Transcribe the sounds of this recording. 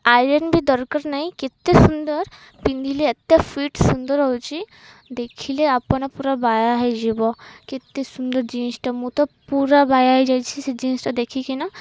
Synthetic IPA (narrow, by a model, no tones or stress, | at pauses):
ajɾənbʱid̪ɔɾkəɾnaɦĩket̪ːesund̪əɾ | pĩnd̪ʱileɐt̪ːapʰiːʈsund̪əɾɦowt͡ʃi | d̪eːkʰileapɐnapuɾabajaɦɛd͡ʒibɔket̪ːesund̪əɾd͡ʒĩːnsʈamut̪ɔpuɾabaːjaɦɛd͡ʒajt͡ʃʰised͡ʒĩːnsʈad̪ekʰikina